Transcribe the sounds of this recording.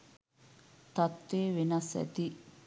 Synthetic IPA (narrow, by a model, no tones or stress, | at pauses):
t̪at̪ːeːʋenɐsæ̰t̪i